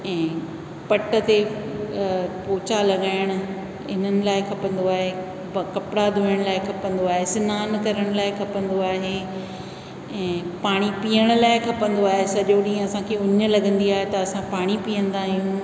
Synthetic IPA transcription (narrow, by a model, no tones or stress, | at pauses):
ɛ̃ː | pɐʈə̆t̪e | poːt͡ɕalɐɠaːɪɽ̃ʊ̆ | ɪn̤ənɪ̆laːɪkʰɐpə̃nd̪oaːɦe | kɐpɪɽad̪ʱũːəɽ̃laːɪkʰɐpə̃nd̪oaːɦesɪnaːnkɐɾəɽ̃ʊlaːɪkʰɐpə̃nd̪oaːɦeː | ɛ̃ːpaːɽ̃ipiːəɽ̃ʊ̆laːɪkʰɐpə̃nd̪oaːɦesɐʄoɗĩːɦə̃ɐsãkʰeʊɲə̆lɐɡə̃nd̪iaːɦet̪ɐɐsãpaːɽ̃ipiːə̃nd̪aːɦijũː